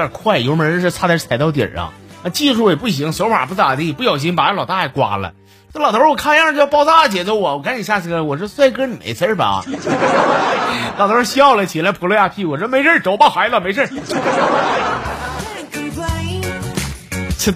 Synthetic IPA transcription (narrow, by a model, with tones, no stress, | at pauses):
jə˨˩kʰwa˥˩ɪjʂʂɻ̩˥˧˩t͡sʰa˥t͡sʰa˧˥a˧ɪt̪ɑ˥˧t̪̬jɛ̰˨˩ʂɑ̰˧˥ŋa˧t͡ɕi˥˧ʂu˥˩jɛ˨˩pu˥˩ɕ̬i˧˥ŋsɔ˧˥ma̰˨˩pu˥˩t̪a˨˩t̪i˥˩pu˥˧jɑ˨˩ʊɕ̬i˧˥ŋpa˨˧˥lɑ˨˩ʊt̪a˥˩˧ɪkwa̰˨˩lə̰˦˥˩ | lɑ˨˩t̪ʰə˧˥wɔ˨˩kʰa˥˩ja˥˧˥jpɑ˥ʊt͡s̪a˥˩˧t͡ɕjɛ˨˩t͡so˧˥ʊwɔ˨˩wɔ˨˩ka˧˥ni˨˩ɕja˥˩s̩ʰ˧˩ə˧˥˩wɔ˨˩ʂɻ̩˧˥swa˥˧ɪkə˥ni˨˩mḛ˧˩sə˥bɐ̰˨˧˥ | lɑ˨˩ʊt̪ʰɔ˧˥˧ɕɑ˥˩ʊlə˨˩t͡ɕʰi˨˩la˧˥ɪpʰu˧˥lɔ˧˥ja˥˩pʰi˥˩wɔ˨˩ʂɔ˧˥˧me˧˥ɪʂʰə˥˩ʈ͡ʂo˨˥ʊpa˥˩xwa˧˥ɪlə˧˨me˧˥ɪʂʰə˥˩˥a˧˩e˥˩˥